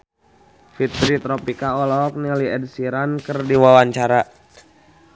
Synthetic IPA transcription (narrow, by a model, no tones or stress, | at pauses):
fit̪ɾit̪ɾɔpikaɔlɔɔk̚niliɛd̚siɾankərdiwawaɲt͡ʃaɾa